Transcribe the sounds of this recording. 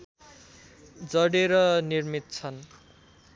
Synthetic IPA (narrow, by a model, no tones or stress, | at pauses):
d͡zʌɽeɾʌnirmit̪̚t͡sʰʌn